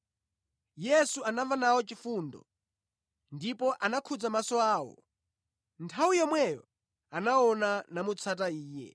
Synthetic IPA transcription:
jɛsuanavanawɔt͡ʃifuːndɔ̰ | ndipɔʔanakʰud͡zamasɔaːwɔ̰ | ntʰawujɔmwɛjɔ̰ | anaɔnanamut͡sʰat̬aiːjɛ̰

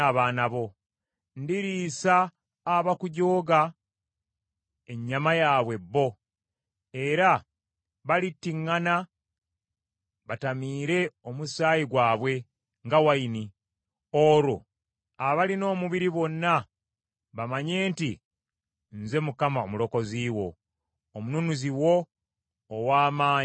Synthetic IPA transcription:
aβaːnaβo̞ | ndiɾiːsaː | βakuɟo̞ːɡa | e̞ɲːamajaːβwe̞bːo̞ | e̞ɾa | βalitːiŋːana | βatamiːɾe̞omusaːjiɡwaːβwe̞ | ŋɡawaini | oːɾo | aβalino̞ːmuβiɾiβo̞nːa | βamaɲe̞ːnti | nze̞mukamaomulo̞ko̞ziːwo̞ː | mununuziwo̞ː | waːmaː

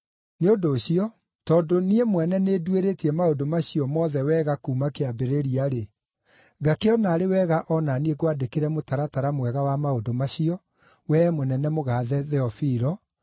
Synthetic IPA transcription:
neodoːɕiɔ | tɔːdoniemwɛnɛneːdweɾetiɛmaodomaɕiɔmɔːðɛwɛːɣakuːmakeabeɾeɾiaɾe | ɡakeɔnaːɾewɛɣaʔɔnanieɡwadekeɾɛmotaɾataɾamwɛɣawamaodomaɕiɔ | wɛmonɛnɛmoɣaːðɛðɛɔfiɾɔ

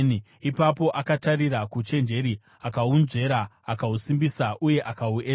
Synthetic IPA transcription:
n | ipapo̞ʔakatarirakut͡ʃe̞nd͡ʒe̞ɾi | akaunʐe̞ɾaː | kausimbisaʔuje̞ʔakauʔeː

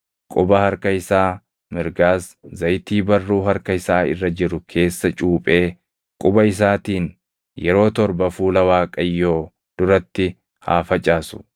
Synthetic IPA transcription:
kʼʊbɐhɐɾkɐɪsaː | mɪɾɡaːszɐjt̪iːbɐrːuːɦɐɾkɐɪsaːɪ̰rːɐd͡ʒɪɾʊkʰe̞ːsːɐt͡ʃʼuːpʼe̞ː | kʼʊbɐɪs̬aːt̪iːn | jɛɾo̞ːt̪ɔɾbɐfuːlɐwaːkʼɐjːoː | d̪̥ʊɾɐt̪ːɪ | ha̰ːfɐt͡ʃʼaːsʊ̥

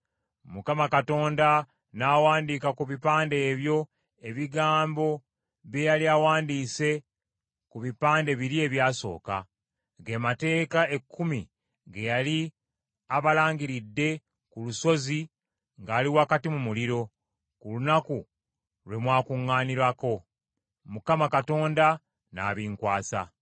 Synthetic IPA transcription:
mukamakato̞ːnda | nawaːndikakuβipaːnde̞ːβjo̞ | e̞βiɡaːmbo̞ | βjejaliawaːndiːse̞ | kuβipaːnde̞βiɾie̞βjaːso̞̰ːka̰ | ɡe̞mate̞ːkae̞kʰːumḭ | ɡejali | aβalaːŋɡiɾidːe̞ | kuluso̞zi | ŋɡaːliwakatimumuliɾo̞ | kulunaku | lwe̞mwaːkuŋːaːniɾwako̞ | mukamakato̞ːnda | na̰ːβiːŋkwaːsa̰

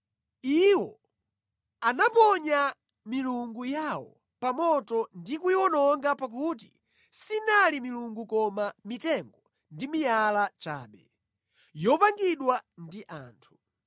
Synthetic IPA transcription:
iwɔ̰ | anapɔɲa | miluŋɡujawɔ̰ | pamɔtɔndikujɔnɔŋɡapak̬uti̥̰ | sinalimiluŋɡukɔmamitɛŋɡɔ | ndimijalat͡ʃa̰ːɓɛ̰ | jɔpaŋɡiɗwandiʔa̰ːntʰu̥

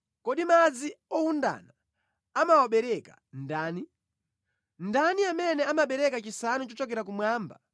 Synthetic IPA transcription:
kɔɗimad͡ziɔhunda̰na | amawaɓɛɾɛka̰ | ndaːni | ndaniamɛnɛamaɓɛɾɛkat͡ʃisanut͡ʃɔt͡ʃɔkɛɾak̬umwaːmba̰

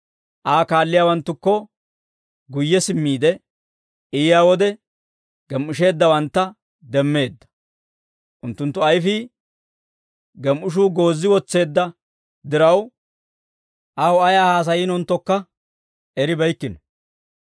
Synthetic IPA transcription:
ʔaːkaːlːɪjaːwɐnt̪ːʊkːɔ | ɡʊjːɛsɪmːiːd̪ɛ | ɪjjaːwɔd̪ɛ | ɡ̥ɛmʊʃ̬e̞ːd̪ːɐwɐnt̪ːɐ | d̪ɛmːe̞ːd̪ːɐ̥ | ʔʊnt̪ːʊnt̪ːʊɐjfɪ | ɡɛmʔʊʃ̬uːɡo̞ːzːɪwɔt͡sːe̞ːd̪ːɐ | d̪ɪɾɐw | ʔawɔɐjaːhaːs̬ɐjɪːnɔnt̪ːɔkːɐ | ɛɾɪbɐjkːɪnɔ

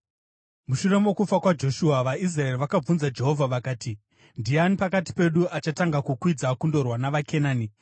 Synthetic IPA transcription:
muʃure̞mokufakwad͡ʒo̞ʃuaʋais̬raeriʋakab͡vunzad͡ʒe̞ɦo̞vʱaʋakaːti | ndianipakati̥pe̞ɗuʔat͡ʃataŋɡakukwid͡zakundo̞rwanaʋakʰe̞naːni

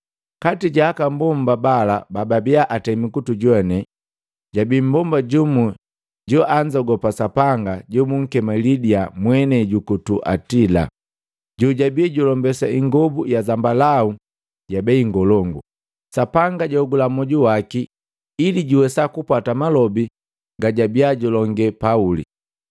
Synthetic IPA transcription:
katiɟaːkambɔmbabalabababiaʔatɛmikutuɟwɛnɛ | ɟabim̩bɔmbaɟumu | ɟɔʔaɲd͡ʒaɡɔpasapaŋɡaɟɔmuŋ̩kɛmalidiamwɛnɛɟukutuʔa̰tila̰ | ɟuɟabiaɟulɔmbɛsaiŋɡɔbujazambalau | ɟabɛiŋɡɔlɔŋɡu | sapaŋɡaɟɔɡulamɔɟuwaki | iliɟuwɛsakupwatamalɔbi | ŋɡaɟabiaɟulɔŋɡɛpaulḭ

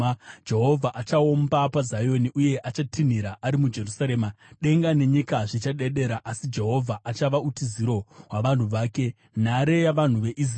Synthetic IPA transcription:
d͡ʒe̞ɦo̞vʱaʔat͡ʃao̞mbapazajo̞niʔuje̞ʔat͡ʃatʰin̤iɾaʔaɾimud͡ʒe̞rusaɾe̞ːma | ɗe̞ŋɡane̞ɲikaʐit͡ʃaɗe̞ɗe̞ɾaʔasid͡ʒe̞ɦo̞vʱaʔat͡ʃaʋautiziɾo̞ɦwaʋan̤uʋaːke̞ | n̤aɾe̞jaʋan̤uʋe̞ʔiz

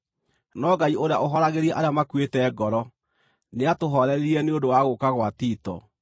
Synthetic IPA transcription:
nɔɡaioɾeaʔoɦɔɾaɣeɾiɛʔaɾeamakwetɛːɡɔɾɔ | neatoɦɔɾɛɾeɾiɛneondowaɣokaɣwatiːtɔ̰

